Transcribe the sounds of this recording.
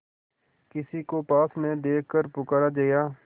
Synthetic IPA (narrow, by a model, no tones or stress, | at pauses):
kɪsikoːpaːsmẽd̪eːkʰkəɾpʊkaːɾaːd͡ʒəːjaː